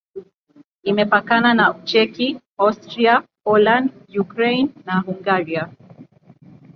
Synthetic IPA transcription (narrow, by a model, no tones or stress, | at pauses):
imɛpakananaut͡ʃɛki | astɾiapɔlandjukɾɛjnːaɦuŋɡaɾia